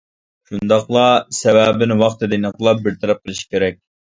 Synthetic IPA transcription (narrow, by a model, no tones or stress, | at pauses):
ʃund̪ɑχlˠɑsɛwæbɪnwɑχt̪ɨd̪ɪnəqlˠɑp̚bɪɾt̪ʰɛɾɛp̚qəlˠɨʃi̥kʲʰeɾɛk̚ʲ